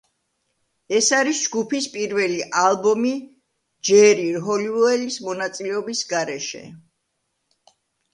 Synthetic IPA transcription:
ɛsaɾisd͡ʒɡupʰispʼiɾvɛliʔalˠbɔmi | d͡ʒɛɾiɾɦɔliɔɛlismɔnat̪sʼilɛɔbisɡaɾɛʃɛ̰

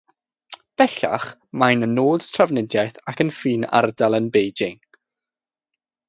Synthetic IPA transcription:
b̥ɛɬa̰χmajnənoːd̥stʰravnɪdjajθakʰənfiːna̰rdalˠənbejd͡ʒɪŋ

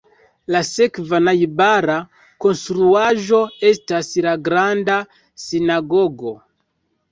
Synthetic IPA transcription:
lasekvanajbaɾa | ko̞nstɾuaʒo̞e̞staslaɡɾanda | sinaɡoɡo̞

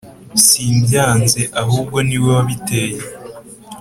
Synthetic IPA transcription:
siːmbjaːnze̞ʔaɦuːb̚ɡo̞niwe̞waβite̞ːje

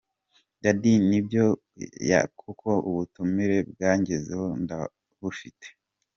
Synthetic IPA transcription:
ndadinibjo̞ | ja̰kʰukʰo̞ṵβutumiɾe̞b̚ɡaːɲɟezeho̞nda | βufite̥

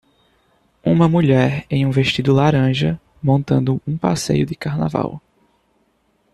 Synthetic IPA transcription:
ṵ̃mɐmuʎɛɾẽj̃ũveʃt̪id̪ʊlaɾɐ̃ʒɐ | mõnt̪ɐ̃nd̪ʊũpa̰sḛjʊd̪ɪkaɾna̰va̰w

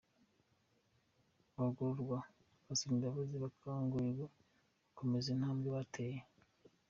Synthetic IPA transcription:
βaɡuɾuɾɡwa | βasindaβuziβakʰaːŋɡuiɡo | βako̞mezin̥haːmɡeβatʰeje

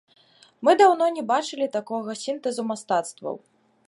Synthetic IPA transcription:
mɨd̪awnɔnʲɛbat͡ʂɨlʲit̪akɔɣɐsʲint̪ɛzumast̪at̪st̪vɐ̰w

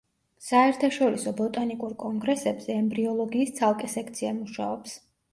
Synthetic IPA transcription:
saɛɾt̪ʰaʃɔɾisɔbɔt̪ʼanikʼuɾkʼɔŋɡɾɛsɛbz̥ɛːmbɾiɔlˠɔɡiːst̪sʰalˠkʼɛsɛkʰt̪sʰiamuʃa̰ɔps

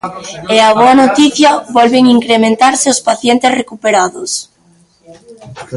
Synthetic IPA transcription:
eaβ̞oanot̪iθjɐβɔlβeŋiŋkɾemẽnt̪aɾseospaθjɛnt̪esrekupeɾaðos

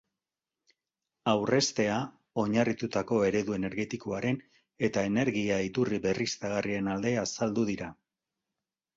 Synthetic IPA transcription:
awre̞st̪e̞a | o̞ɲarit̪ut̪ako̞e̞ɾe̞ðue̞ne̞ɾɣe̞t̪ikoaɾe̞n | e̞t̪ae̞ne̞ɾɣiait̪uriβe̞rist̪aɣ̞arie̞nald̪e̞asald̪uðiɾa

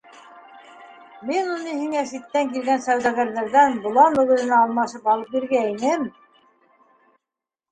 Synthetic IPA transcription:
minunɤhiŋæsit̪ːæŋkilɡænsæwðæɣæɾðæɾðænbŏlˠɑnɵ̆ɣɘ̆ɾɘ̆nɑːlˠmɑʃɤpɑlˠɤp̚biɾɡæinɘm

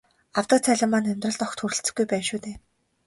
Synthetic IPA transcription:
aw̥t̪ə̆t͡sʰæɮʲɪ̆mːaːnæmʲt̪rə̆ɮt̪ɔxt̪ʰxuɾɘ̆ɬt͡sɘ̆ɡujpæːnʃuːt̪eː

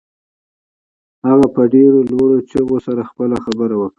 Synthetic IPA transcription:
haɣapəɖeɾolwaɽot͡ʃəɣosaɾaxpəlaxabəɾawəkɽa

